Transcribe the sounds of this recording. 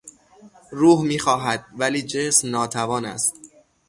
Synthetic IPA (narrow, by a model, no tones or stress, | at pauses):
ɾuːhmiːxɒːɦæd̪̥̚væliːd͡ʒesmnɒːt̪ʰævɒːnæ̰st̪